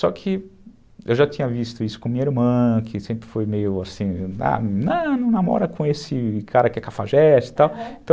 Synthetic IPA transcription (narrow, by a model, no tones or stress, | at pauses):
sɔkʰɪ | ewʒat̪ĩɲɐvist̪ʊisʊ̥kõmĩɲɐiɾmɐ̃kʰɪsẽmpɾɪfojmejʊasĩa̰nɐ̃nɐ̃w̃namɔ̰ɾɐkʰõesɪkʰaɾɐkɪɛkafaʒɛt͡ʃɪ̥t̪awẽt̪ɐ̃